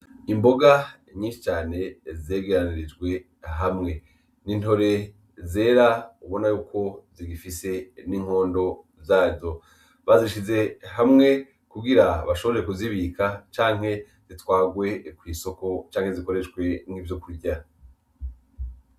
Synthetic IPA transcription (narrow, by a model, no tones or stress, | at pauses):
imbo̞ɡa | ɲiːnʃi̥t͡ʃaːne̞ze̞ːɡe̞ɾaniɾid͡ʒɡwe̞ | ɦamŋe̞ | ninto̞ɾe̞ | ze̞ːɾauβo̞najuːkʰo̞ziɡifise̞niːŋ̥o̞ːndo̞ | zaːzo̞ | βaziʃize̞ɦamŋe̞ | kuɡiɾaβaʃo̞βo̞ɾeɾekuziβikʰat͡ʃaːŋ̥he̞ | z̥itwaːɡwe̞kwiːso̞ko̞t͡ʃaːŋhe̞ziko̞ɾe̞ʃɡwe̞ŋ̥hivjo̞kuɾɟa